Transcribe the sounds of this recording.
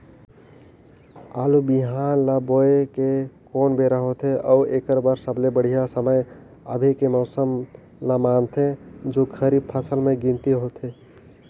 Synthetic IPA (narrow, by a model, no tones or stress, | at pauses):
a̰ːlubiɦaːnlaboekekoːnbeɾaɦot̪ʰeʔɔʊeːkəɾbəɾsəblebəɽ̤ijasəməj | ə̰bʱekemɔʊsəm | lamaːnt̪ʰed͡ʒokʰəɾib̚pʰasəlmẽɡĩnt̪iɦot̪ʰe